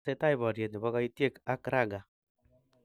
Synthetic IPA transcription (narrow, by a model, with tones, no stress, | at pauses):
e˦ta˦iβɔ˨ɾje˨tni˨βɔ˦ɣa˦itje˦ka˦kɾa˦ɡa˨